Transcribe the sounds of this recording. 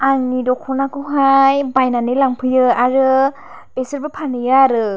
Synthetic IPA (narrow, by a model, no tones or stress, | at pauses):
aŋnidɔkʰɔnakʰɯɦajbajnanɯlaŋpʰɯjɯaɾɯ | besɯɾbɯpʰanɯjɯaɾɯ